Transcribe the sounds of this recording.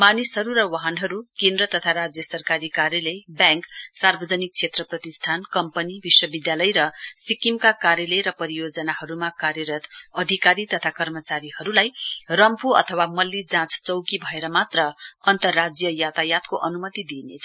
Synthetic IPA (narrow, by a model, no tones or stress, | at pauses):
manisɦʌɾuɾʌwaɦʌnɦʌɾukend̪rʌt̪ʌt̪ʰaɾad͡zjʌsʌrkaɾikaɾjʌlʌjbjaŋksarbʌd͡zʌnik̚t͡sʰet̪rʌprʌt̪isʈʰankʌmpʌnibiswʌbid̪jalʌjɾʌsikimkakaɾjʌlʌjɾʌpʌɾijod͡zʌnaɦʌɾumakaɾjʌɾʌt̪ʌd̪ʱikaɾit̪ʌt̪ʰakʌrmʌt͡saɾihʌɾulajrʌmpuʌ̰t̪ʰʌwamʌlːid͡zãt͡st͡sʌwkibʱʌeɾʌmat̪rʌʌnt̪ʌrːad͡zjʌjat̪ajat̪koʔʌnumʌt̪id̪inḛt͡sʰʌ